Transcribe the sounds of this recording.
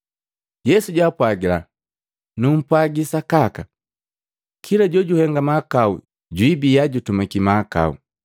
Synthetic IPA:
jɛsuɟwaːpwaɡila̰ | num̩pwaɡisakaka | kʰilaɟɔɟuhɛŋɡamakaṵ | ɟwibijaɟutumakimaka̰ṵ

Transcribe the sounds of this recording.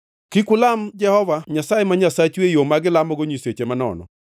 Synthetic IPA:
kikʊlamd͡ʒɛhɔvaɲasajemaɲasat͡ʃwejomaɡɪlamɔɡoɲiset͡ʃemanɔ̰nɔ̰

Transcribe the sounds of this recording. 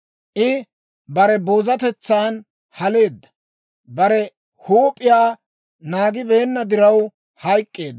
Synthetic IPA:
ʔɪ | bɐɾɛbo̞ːzɐt̪ɛt͡sːaːn | hɐle̞ːd̪ːɐ̥ | bɐɾɛ | huːpʼːɪjaː | naːɡɪbe̞ːnːɐd̪ɪɾɐw | hɐjkʼːe̞ːd̪ː

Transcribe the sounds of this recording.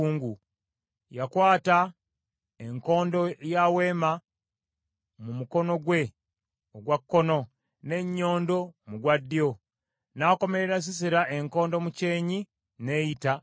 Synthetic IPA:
uːŋɡu | jakwaːta | eŋko̞ːndo̞jawe̞ːma | mumuko̞no̞ɡwe̞ | oɡwakːo̞no̞ | ne̞ɲːo̞ːndo̞muɡwadːio̞ | nako̞me̞ɾe̞ɾas̬isiɾaʔe̞ŋko̞ːndo̞muce̞ːɲi | ne̞ːjita

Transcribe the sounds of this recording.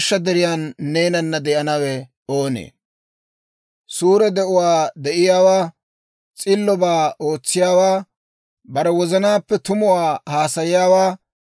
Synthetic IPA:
ʃːɐd̪ɛɾɪjaːnːe̞ːnɐnːɐd̪ɛʔɐnɐwɛ | oːnḛː | suːɾɛd̪ɛʔʊwaːd̪ɛʔɪjaːwaː | t͡sʼɪlːɔbaːo̞ːt͡sːɪjaːwaː | bɐɾɛwɔzɐnaːpːɛt̪ʊmʊwaːhaːsɐjɪjaːwaː

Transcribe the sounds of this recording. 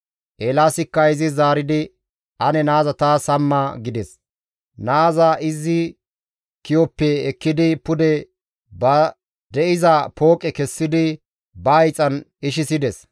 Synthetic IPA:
ʔeːlaːsɪkːɐɪzɪzaːɾɪd̪ɪ | ɐnɛnaːzɐt̪aːsɐmːaɡɪd̪ɛs | naːzɐɪzːɪ | kɪjɔpːɛːkːɪd̪ɪpʊd̪ɛ | bɐ | d̪ɛʔɪzɐpʰo̞ːkʼɛkɛsːɪd̪ɪ | bɐːjt͡sʼɐnɪʃɪsɪd̪ɛs

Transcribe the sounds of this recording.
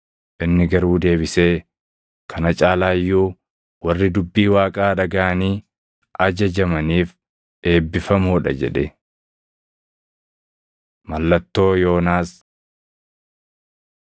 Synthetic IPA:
ʔɪnːɪɡɐɾuːd̪e̞ːbɪse̞ː | kʰɐnɐt͡ʃʼaːlaːjːuː | wɐrːɪd̪ʊbːiːwaːkʼaːᶑɐɡɐʔɐniː | ʔɐd͡ʒɐd͡ʒɐmɐniːf | ʔe̞ːbːɪfɐmoːᶑɐ̰d͡ʒɛ̰ᶑɛ | mɐlːɐt̪ːo̞ːjo̞ːnaːs

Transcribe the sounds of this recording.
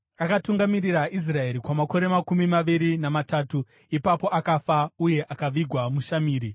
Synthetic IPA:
akatuŋɡamirirais̬rae̞ɾikwamako̞ɾe̞makumimaʋiɾinamataːtu | ipapo̞ʔakafauje̞ʔakaʋiɡʱwamuʃamiːɾi

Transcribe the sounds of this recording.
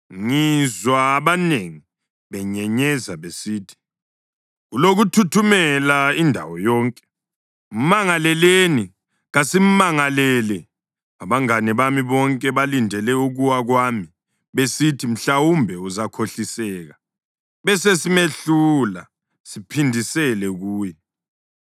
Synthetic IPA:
ŋizwaːβaneŋi | βɛɲɛɲɛzaβesiːtʰi̥ | uloɣutʰutʰumɛlaindʱa̰wɔjɔːŋkʼɛ̥ | um̩maŋalɛleni | ɣasim̩maŋalɛlɛ | aβaŋanɛβamiβɔŋkʼɛβalindʱɛlɛuɣuwaɣwaːmi | βesitʰim̩ɬawumbʱɛuzakʰoɬisɛːɣa | βɛsesimeɬula̰ | sipʰindʱisɛlɛɣuːjɛ

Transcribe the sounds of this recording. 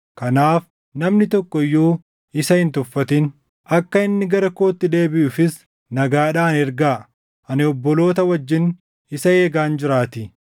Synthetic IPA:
kɐnaːf | nɐmnɪt̪ɔkːɔɪjːuː | ɪsɐhɪnt̪ʊfːɐt̪ɪn | ɐkːɐɪnːɪɡɐɾɐkoːt̪ːɪd̪e̞ːbɪʔʊfɪs | nɐɡaːᶑaːnɛɾɡaː | ʔɐnɪɔbːɔlo̞ːt̪ɐwɐd͡ʒːɪn | ɪsɐeːɡaːnd͡ʒɪɾaːt̪ɪ

